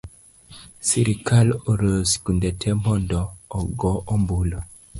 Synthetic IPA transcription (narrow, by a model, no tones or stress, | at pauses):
siɾikaloɾəsi̥kundetʰemɔndɔːɡɔʔɔmbulo